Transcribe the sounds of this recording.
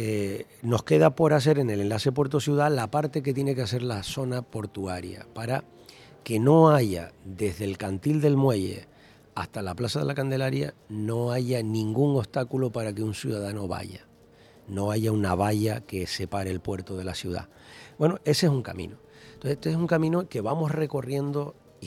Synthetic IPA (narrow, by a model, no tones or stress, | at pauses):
eno̞hke̞ð̞apo̞ɾas̬e̞ɾe̞nelẽ̞nlase̞pwe̞ɾt̪osjuð̞alapaɾt̪e̞k̬et̪je̞ne̞kease̞ɾlaso̞napo̞ɾt̪uaɾja̰paɾa | ke̞no̞aʝa̰d̪e̞ɦðe̞lkant̪ild̪e̞lmwe̞je̞̰ | aht̪alaplasaðe̞lakand̪e̞laɾja̰no̞aʝanĩŋɡuŋo̞st̪akulopaɾakeunsjuðaðano̞βa̰ʝa̰ | no̞aʝaunaβaʎake̞se̞paɾelpwe̞ɾt̪oð̞e̞lasjuða̰ | bwe̞noe̞sesuŋka̰mḭ̃no | oet̪oesuŋkamĩnoke̞βamo̞sre̞ko̞rje̞nd̪o̞